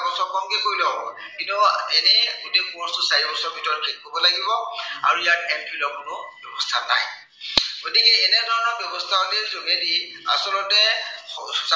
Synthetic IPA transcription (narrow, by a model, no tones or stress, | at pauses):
bɔsɔɹkɔŋkikoɹilɔɔbɔ | kintuɛnɛɡutekuɔ̃stʊsaɹibɔsɔɹbʱitɔɹkʰit̚ɦobɔlaɡibɔa̰ɹuijaɹtʰajmpʰilɔkʊnʊbjɔbɔstʰana̰j | ɡ̥otikɛɛnɛdʱɔɹɔnɔɹbjɔbɔstʰaɦolezoŋedia̰sɔlɔtɛ | s